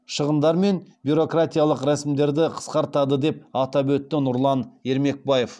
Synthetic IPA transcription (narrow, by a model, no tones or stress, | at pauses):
ʃəʁənd̪ɑɾme̞nbʲjuɾo̞krat̪ijalˠəqɾæsɪmd̪e̞ɾd̪ɪqʰə̥sqɑɾt̪ɑd̪əd̪e̞p̚ɑt̪ɑbɵt̪ːɪnʊɾlˠɑne̞ɾme̞k̚baje̞f